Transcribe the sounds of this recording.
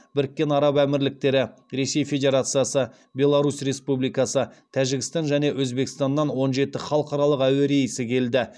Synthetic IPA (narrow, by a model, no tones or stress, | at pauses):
bɪɾkʲːe̞nɑɾɑpæmɪɾlɪk̚t̪e̞ɾɪ | ɾe̞se̞jfe̞dʲe̞ɾat̪sɨjasə | bʲe̞lˠaɾusre̞spublijkɑsət̪ʰæʒɪɡʲɪst̪ɑnʒæne̞ʔwɵzbe̞kʲɪ̥st̪ɑnːɑnwo̞nʒe̞t̪ɪχɑlˠəqɑɾɑlˠəqæweɾejəsɪkʲʰe̞ld̪ɪ